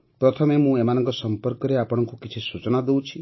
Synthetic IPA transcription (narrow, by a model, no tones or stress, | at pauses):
pɾɔt̪ʰɔmemũemanɔ̃ŋkɔsɔmpɔɾkɔɾeapɔɽ̃ɔŋkukit͡ʃʰisut͡ʃɔnad̪ew̃t͡ʃʰi